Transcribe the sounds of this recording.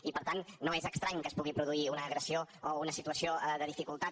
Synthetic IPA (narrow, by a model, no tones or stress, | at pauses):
ipəɾt̪anːoezəkst̪ɾaɲkəspuɣipɾuðuiunəːɣɾəsioounəsit̪uəsioðəðifikulˠt̪a